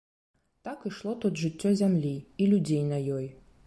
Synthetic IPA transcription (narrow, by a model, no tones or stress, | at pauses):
t̪akɨʂlˠɔt̪ud̪ʐɨt͡sʲːɔzʲamlʲiilʲud͡zʲejnɐjɔj